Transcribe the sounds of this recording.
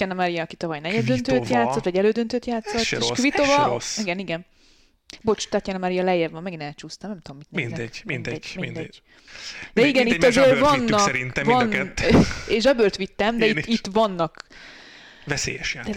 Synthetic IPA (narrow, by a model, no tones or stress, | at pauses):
ɛnɛmaɾijɒːkit̪ɒvɒjnɛɟɛd̪ːønt̪øːt̪jaːt̪sːot̪ʋɒɟɛløːd̪ønt̪øːt̪jaːt̪sːot̪ːeʃkvit̪ːovɒiɡɛniɡɛn | bo̞t͡ʃt̪at̪jɛnɛmaɾijɒlɛjɛvvɒmːɛɡinɛlt͡ʃuːst̪ɒmnɛmt̪oomit̪neinɛmind̪ɛɟmiind̪ɛ̥ː | d̪ɛiɡɛniːɒzeːrvɒnːɒɛɾint̪ɛvɒnɛeʃʒɒbørt̪ʋit̪ːɛmd̪ɛiit̪ːvɒnːɒk | vɛsḛːjɛʃja̰ː